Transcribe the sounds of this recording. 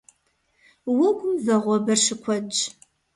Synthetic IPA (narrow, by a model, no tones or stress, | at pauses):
wʊɡʷʊmvɐʁʷɔbɐrʂɨkʷʰɔd͡ʒ